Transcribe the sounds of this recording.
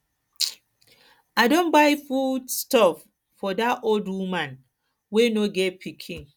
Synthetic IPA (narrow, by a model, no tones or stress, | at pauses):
adõnbaɪfudstɔfː | ɔdatoldwumãn | wenoɡɛt̚pʰikʰĩn